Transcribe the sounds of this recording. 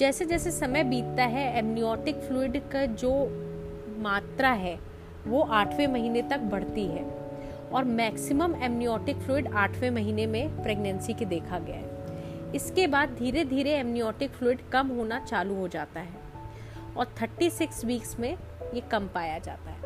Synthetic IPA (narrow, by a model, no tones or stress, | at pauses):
d͡ʒɛːsed͡ʒɛːsesɐməjbiːt̪t̪aɦɛɛːmniɔːʈɪkfluːɪɖkad͡ʒoː | maːt̪ɾaɦɛ | ʋoʔaːʈʰʋẽmɐɦiːnet̪ɐk̚bɐɽ̤t̪iɦɛː | ɔːɾmɛːksɪməmɛːmniɔːʈɪkfluːɪɖaːʈʰʋẽmɐɦiːnemẽpɾeːɡnə̃nsiked̪eːkʰaɡɐja̰ | ɪskebaːd̪̚d̪ʱiːɾed̪ʱiːɾeɛːmnijɔːʈɪkfluːɪɖkɐmɦoːnat͡ʃaːluɦod͡ʒaːt̪aɦɛː | ɔːɾt̪ʰəɾʈisɪkswiːksmẽ | jekɐmpaːjad͡ʒa̰ːt̪aɦɛ